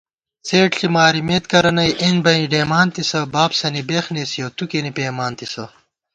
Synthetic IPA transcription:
t͡seːʈɬimaːɾimeːt̪kɐɾɐnɐjʔenbɐiɖeːmaːnt̪isɐbaːbsɐnibexneːsijɐt̪ukenipeːmaːnt̪isɐ

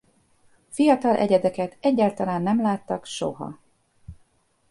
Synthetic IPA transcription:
fijɒt̪ɒlʔɛ̰ɟɛd̪ɛkɛt̪ɛɟːaːlt̪ɒlaːnːɛmlaːt̪ːɒkʃo̞̰ɦɒ̰

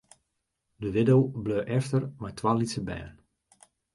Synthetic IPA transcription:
dəʋɪdowbløːʔɛftərmɛjtʋaːlisəbɛ̰ːən

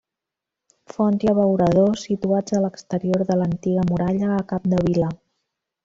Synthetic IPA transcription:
fɔntiəβəwɾəð̞osit̪uad͡zələkst̪əɾioɾðələnt̪iɣəmuɾaʎəːkap̚d̪əβ̞ilə

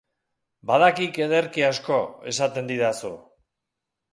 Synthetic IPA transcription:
baðakike̞ðe̞ɾkiasko̞e̞̰sat̪e̞nd̪iðasṵ

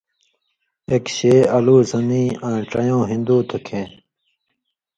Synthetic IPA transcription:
ekɕeːɐluːzɐniːãːʈ͡ʂɐ̰jõːɦĩnd̪uːt̪ʰukʰẽː

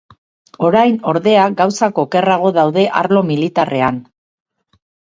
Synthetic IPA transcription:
o̞ɾajno̞ɾðe̞aɡawsako̞ːke̞raɣ̞o̞ðawðe̞ʔaɾlo̞milit̪are̞an

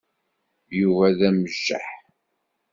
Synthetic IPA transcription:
juvæðæməʒːa̰ħ

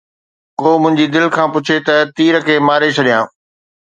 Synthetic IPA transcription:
koːmʊ̃ɦɪ̃ɲd͡ʑid̪ɪlkʰãːpʊt͡ɕʰet̪ɐt̪iːɾəkʰeːmaːɾet͡ɕʰɐɗijãː

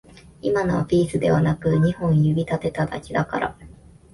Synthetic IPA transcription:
imanopʲiːsɨd̪e̞βanakɯɲ̟ihõ̞ɰ̃jɯ̟bʲit̪at̪e̞t̪ad̪a̰kʲid̪aka̰ɾa̰

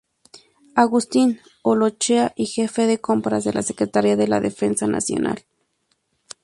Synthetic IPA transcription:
aɣust̪in | olot͡ʃeaʔixefeðekompɾas̬ðelʔasekɾet̪aɾiaðela̰ðefensanʔa̰sjo̰nʔa̰l

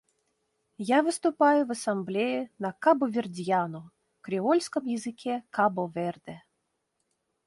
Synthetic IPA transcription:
javɨst̪ʊpajʊvɐsamblʲɛjinɐkabɔvʲɪrd̪ʲjanɔ | kɾʲɪɔlʲsʲkɐmjɛzɨkʲʰɛkabɔvɛrd̪ɛ

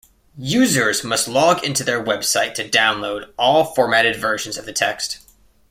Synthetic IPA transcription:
jʉzə˞zmʌstˡlɔɡɪ̃ntʉðə˞wɛb̥saɪtʰɨdãʊ̃nloʊɾɔlˠfɔɹmæɾɨdvɜ˞ʒ̃n̩zʌvðɨtʰɛkst

